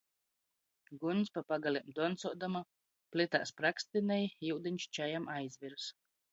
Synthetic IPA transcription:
ɡunspapaɡalʲiɛmd̪uɔnt̪suɔd̪ama | plʲit̪a̰ːspɾakst̪ʲinɛjiwd̪inʲt͡ʃt͡ʃɛjamajzʲvʲiɾs

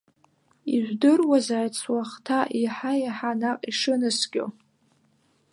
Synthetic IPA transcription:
iʒᶣʷdɨrwazaːjt͡sʰwaχtʰaʔiħajaħanaqʼiʂɨnɨsɡʲʼo̰

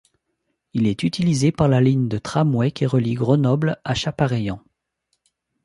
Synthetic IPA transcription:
ilɛt̪yt̪ilizepaʁlaliɲd̪ət̪χamwɛkʲeʁəliɡʁənɔblaʃapaʁejɑ̃

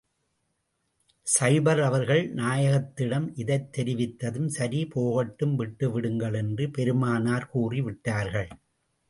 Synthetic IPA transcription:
sɐɪbɐɾɐʋɐɾɣɐɭnaːjɐɣɐt̪ːɪɽɐmʔɪðɐɪt̪ːɛɾɪʋɪt̪ːɐðɯmsɐɾipoːɣɐʈːɯmʋɪʈːɯʋɪɽɯŋɡɐɭɛndrɯpɛɾɯmaːnaːɾkuːriʋɪʈːaːɾɣɐɭ

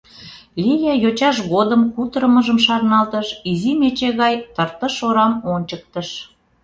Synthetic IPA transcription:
lʲijɑjot͡ɕɑʃɣod̪əmkut̪ɾəməʒəmʃɑrnɑlt̪əʃizimet͡ɕeɣɑjt̪ərt̪əʃoɾɑmonʲt͡ɕək̚t̪əʃ

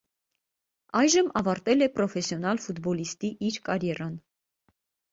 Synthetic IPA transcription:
ɑjʒəmɑvɑɾt̪ɛlɛpɾɔfɛsjɔnɑlfud̪bɔlist̪iʔiɾkɑɾjɛɾɑn

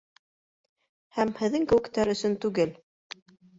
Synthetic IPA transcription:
hæmhɘ̆ðːɘŋkɘ̆wɘ̆kt̪æɾɵ̆sɵnt̪ʉɡɘl

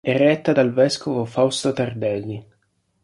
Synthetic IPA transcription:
ɛrːɛt̪ːad̪alvɛskovofawst̪ot̪ard̪ɛlːi

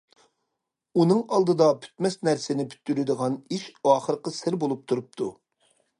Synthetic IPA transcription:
unɨŋɑlˠd̪ɨd̪ɑpʰy̥t̪mɛsnæɾsɪnɪpʰy̥t̪ːyɾɪd̪əʁɑniʃɑːχəɾəqəsɪɾbolˠup̚t̪ʰuɾup̚t̪ʰu

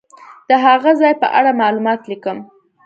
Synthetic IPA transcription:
d̪̥əɦaɣazɑjpə̰ʔa̰ɽamɑlumɑt̪likəm

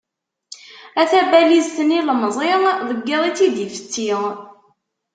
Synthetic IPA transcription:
æθæbælizt̪əniləməzˤeʁðəɡːiðˤit͡sːid̪ifə̥t͡s̪ːi

